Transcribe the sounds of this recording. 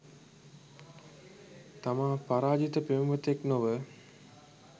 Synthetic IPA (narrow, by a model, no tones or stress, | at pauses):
t̪amãːpaɾaːd͡ʒit̪əpemumət̪eknoʋə